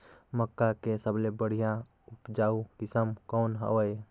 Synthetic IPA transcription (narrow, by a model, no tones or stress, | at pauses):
məkːakesəblebəɽ̤ija | upd͡ʒaukisəmkonɦə̰wəj